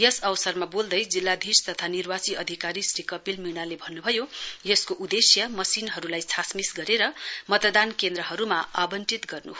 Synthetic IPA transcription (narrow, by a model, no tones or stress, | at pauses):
jʌsʌwsʌrmabold̪ʌjd͡zilːad̪ʱist̪ʌt̪ʰanirwat͡siʌd̪ʱikaɾisrikʌpilminalebʱʌnːubʱʌjojeskoʔud̪esjʌmʌsinɦʌɾulajt͡sʰasmisɡʌɾeɾʌmʌt̪ʌd̪ankend̪ɾʌɦʌɾumaabʌnʈit̪ɡʌrnuɦ